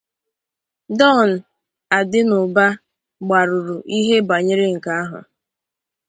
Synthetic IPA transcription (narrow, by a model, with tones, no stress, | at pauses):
dɔ˦˨n̩˨ | a˨dɪ˦nʊ˨ba˦ | ɡ͡ba˨ɾʊ˨ɾʊ˨ʔi˦ɦe˦ba˨ɲɪ˦ɾɪ˦ŋ̩˨ka˦a˦ɦʊ̰˨